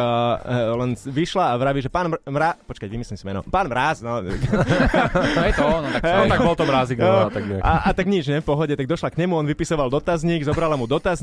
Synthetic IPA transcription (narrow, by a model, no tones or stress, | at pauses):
lɛnʋiʃlaːʋɾaʋiʒɛpaːnmɾapɔt͡ʃkacʋimislimsimɛnɔ̰paːnmɾaːznɔt̪ak | t̪ɔɔnt̪aɔt̪aɡbɔlt̪ɔmɾaːziɡnɔat̪aɡinakaat̪aɡɲid͡ʒɲɛfpɔɦɔɟɛt̪aɡ̚d̪ɔʃlakɲɛmuɔnʋipisɔʋald̪ɔt̪azɲiɡzɔbɾalamud̪ɔt̪az